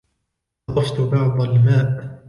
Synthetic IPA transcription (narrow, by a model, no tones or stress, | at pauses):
ɑft̪bɑʕd̪ˤɑlmaːʔ